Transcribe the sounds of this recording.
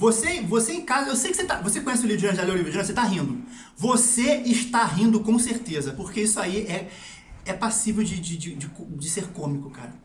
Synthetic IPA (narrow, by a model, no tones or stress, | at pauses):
vosevoseẽkazɐewsejʊkɪ̥set̪avosekõɲɛs̬ɪʊliɾʊɐ̃d͡ʒalewlivɾʊd͡ʒiɾɐ̃set̪aɦĩnd̪ʊ | voseɪʃt̪aɦĩnd̪ʊkõseɾt̪ezɐpoɾkeisʊaiɛ | ɛpasivewd͡ʒɪd͡ʒɪd͡ʒɪd͡ʒɪkod͡ʒɪseɾkõmikʊkaɾɐ